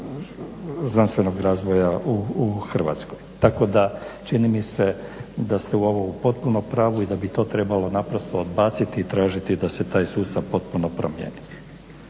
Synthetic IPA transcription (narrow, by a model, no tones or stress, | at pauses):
znanst̪ʋe̞no̞ɡɾaːzʋo̞jauxr̩ʋa̰t̪sko̞jt̪ako̞d̪at͡ʃinimise̞d̪ast̪euo̞ʋopo̞t̪̚punopɾaːʋuid̪abit̪o̞ːt̪ɾe̞balo̞napɾo̞st̪o̞od̪baːt̪sit̪iːt̪ɾaːʒit̪id̪ase̞t̪aːjsuːst̪aʋpo̞t̪̚puno̞pɾomjḛːni